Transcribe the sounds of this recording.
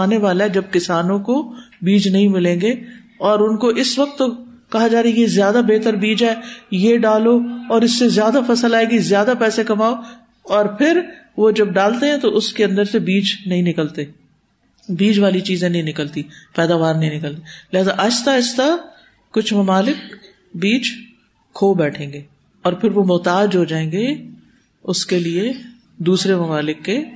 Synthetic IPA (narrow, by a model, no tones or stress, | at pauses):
aːneʋaːlaɦɛd͡ʒɐb̚kɪsaːnõkobiːd͡ʒnɐɦĩmɪlẽːŋɡeː | ɔːɾʊnkoʔɪsʋɐk̚t̪ːokɐɦad͡ʒaːɾeɛjezjaːd̪abeːt̪əɾbiːd͡ʒɛːjeɖaːloɔːɾɪsːezjaːd̪afʰɐsəlaːeɡizjaːd̪apɛːsekɐmaːo | ɔːɾpʰɪɾ | ʋod͡ʒɐb̚ɖaːlt̪eɦɛ̃t̪oʔʊskeɐ̃nd̪əɾsebiːd͡ʒnɐɦĩnɪkəlt̪e | biːd͡ʒʋaːlit͡ʃiːzẽnɐɦĩnɪkəlt̪ipɛːd̪aːʋaːɾnɐɦĩnɪkəlt̪elɪɦaːzaʔɐt͡ʃt̪aɪt͡ʃt̪aː | ʊt͡ʃʰmɐmaːlɪk | biːt͡ʃʰː | oːbɛːʈʰẽːŋɡeː | ɔːɾpʰɪɾʋomʊːt̪aːd͡ʒɦod͡ʒaːẽːŋɡe | ʊskelie | d̪uːsɾemɐmaːlɪkːeː